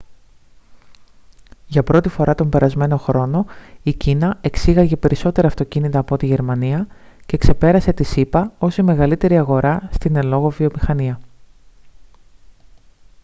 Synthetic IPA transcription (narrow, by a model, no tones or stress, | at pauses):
ʝɐpɾo̞t̪ifo̞ɾʔɐt̪o̞mbe̞ɾɐzme̞no̞xɾo̞no̞icinɐe̞ksiɣɐʝe̞pe̞ɾiso̞t̪e̞ɾɐːft̪o̞cinit̪ɐːpo̞t̪iʝe̞ɾmɐniɐ | ce̞kse̞pe̞ɾɐse̞t̪isipɐo̞sime̞ɣɐlit̪e̞ɾiɐɣo̞ɾɐst̪ine̞lo̞ɣo̞vio̞mixɐniɐ